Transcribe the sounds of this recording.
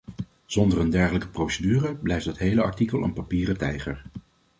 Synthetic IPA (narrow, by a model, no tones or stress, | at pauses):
z̥ɔndərəndɛɹχələkə̥prowsədyːrəblɛjfdɑtɦejləɑ̰ɹtikəlˠə̰npapiːrətɛjχəɹ